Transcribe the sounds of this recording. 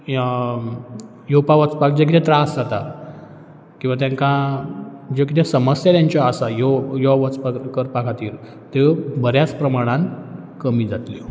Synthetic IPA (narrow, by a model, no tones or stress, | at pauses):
jopaʋət͡spak̚d͡ʑek̬it̪ʰẽt̪ɾasd͡zat̪a | kĩw̃ʋat̪jãŋkã | d͡ʑekit̪ʰesəməsjat̪jaɲt͡ɕjaːsajɔjɔʋət͡spakəɾpakʰat̪iːɾ | t̪ebəɾjat͡spɾəmaɽ̃ãn | kəmiːd͡zat̪li